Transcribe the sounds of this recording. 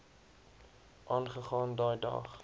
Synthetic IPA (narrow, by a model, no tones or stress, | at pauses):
ʔɑːnχəχɑːndɑːjdɐ̰χ